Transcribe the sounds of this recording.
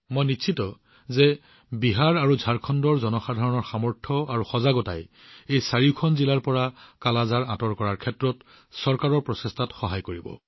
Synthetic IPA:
mojniʃʰitɔ | zɛ | biɦaɹaɹuzʱaɹkʰɔndɔɹzɔnɔxadʱaɹɔnɔɹxamɔɹtʰɔaɹuxɔzaɡɔta̰j | ejsaɹikʰɔnzilaɹpɔɹakalazaɹãtɔɹkɔɹaɹkʰɛtɹɔt | sɔɹkaɹɔɹpɹɔsestʰatxɔɦajkoɹibɔ̰

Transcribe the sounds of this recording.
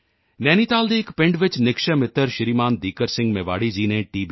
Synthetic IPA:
nɛ̃ːnit̪aːld̪eːɪkpɪ̃ɳɖʋɪt͡ʃnɪkʃəmɪt̪ːəɾʃɪɾiːmaːnd̪iːkəɾsɪ̃ŋɡmeʋa̰ːɽid͡ʒiːnẽʈiːb

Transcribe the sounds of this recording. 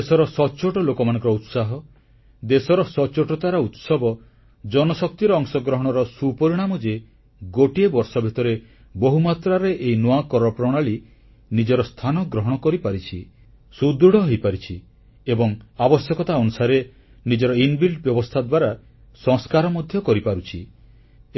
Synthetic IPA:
esɔɾɔsɔt͡ʃoʈɔlokɔmanɔ̃ŋkɔɾɔut̪saɦɔ | d̪esɔɾɔsɔt͡ʃoʈɔt̪aɾɔut̪sɔbɔ | d͡ʒɔnɔsɔk̚t̪iɾɔɔŋsɔɡɾɔɦɔɽ̃ɔɾɔsupɔɾiɽ̃amɔd͡ʒe | ɡoʈiebɔɾsɔbʱit̪ɔɾe | bɔɦumat̪ɾaɾeʔeinɔakɔɾɔpɾɔɽ̃aɭi | nid͡ʒɔɾɔst̪ʰanɔɡɾɔɦɔɽ̃ɔkɔɾipaɾit͡ʃʰi | sud̪ɾuɽɔɦojpaɾit͡ʃʰi | ebɔŋabɔsjɔkɔt̪aɔnusaɾe | nid͡ʒɔɾɔinbilʈbjɔbɔst̪ʰad̪waɾa | sɔŋskaɾɔmɔd̪ʱjɔkɔɾipaɾut͡ʃʰi

